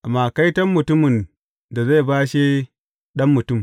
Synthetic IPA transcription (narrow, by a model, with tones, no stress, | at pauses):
ʔa˨maː˨ka˦jtɐ˦mmʊ˨tʊ˦mɪ˨n | da˨za˦˨jbaː˦ʃeː˦ | ɗɐ˦mːʊ˨tʊ˦˨m